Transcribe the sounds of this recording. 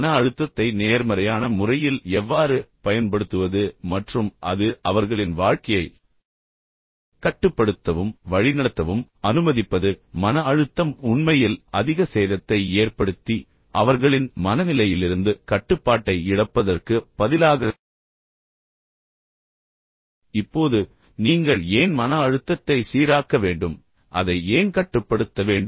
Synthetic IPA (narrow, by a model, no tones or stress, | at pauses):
nɐɐɻɯt̪ːɐt̪ːɐɪneːɾmɐɾɐjaːnɐmʊrɐjɪlɛʋːaːɾɯpɐjɐnpɐɽɯt̪ːɯʋɐðɯmɐʈrɯmʔɐ̰ðɯʔɐʋɐɾɣɐɭɪnʋaːɻkɐjɐɪ | kɐʈːɯpːɐɽɯt̪ːɐʋɯmʋɐɻɪnɐɽɐt̪ːɐʋɯmɐnɯmɐðɪpːɐðɯmɐnɐːɻɯt̪ːɐmʊɳmɐjɪlɐðɪɣɐseːðɐt̪ːɐɪeːrpɐɽɯt̪ːi | ʔɐʋɐɾɣɐɭɪnmɐnɐnɪlɐjɪlɪɾɯnd̪ɯkɐʈːɯpːaːʈːɐɪɪɽɐpːɐðɐrkɯb̥ɐðɪlaːɣɐ | ɪpːoːðɯ | niːŋɡɐɭeːnmɐnɐːɻɯt̪ːɐt̪ːɐɪsiːɾaːkɐʋeːɳɖɯm | ʔɐðɐɪeːnkɐʈːɯpːɐɽɯt̪ːɐʋeːɳɖ